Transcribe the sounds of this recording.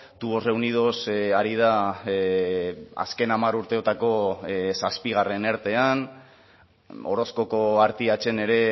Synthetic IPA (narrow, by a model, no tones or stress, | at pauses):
t̪uβo̞sre̞unið̞o̞saɾið̞a | a̰ske̞namaɾuɾt̪e̞ot̪ako̞saspiɣ̞are̞ne̞ɾt̪e̞an | o̞̰ɾo̞sko̞ko̞aɾt̪iat͡ʃe̞ne̞ɾe̞